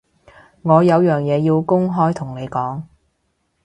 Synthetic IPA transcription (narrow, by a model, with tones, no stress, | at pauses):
ŋɔː˨˧jɐ˨˧wjœː˨˩ŋjɛː˨˧jiː˧wkʊ˥ŋɦɔː˥jt̪ʰʊ˨˩ŋne˨˧jkɔː˨˥ŋ